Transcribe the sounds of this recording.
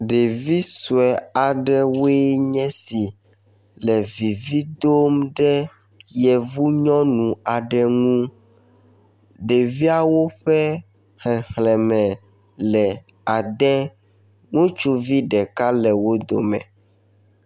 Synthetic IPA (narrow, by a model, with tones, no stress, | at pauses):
ɖe˨vi˦su˨ɛ˨a˨ɖɛ˦wo˦ɛ˦ɲɛ̃˦si˨ | lɛ˨vi˨vi˦d̪o˦mɖɛ˦ | jɛ˨vu˦ɲɔ̃˦nũ˨a˨ɖɛ˨ŋũ˦ | ɖe˨vi˦a˨wo˦ɸɛ˦ | hɛ˨hlɛ̃˨mɛ̃˨ | lɛ˨ | a˨d̪ɛ˦ | ŋũ˦t͡ʃu˦vi˦ɖɛ˨ka˦lɛ˨wo˦d̪o̰˨mɛ̰̃˨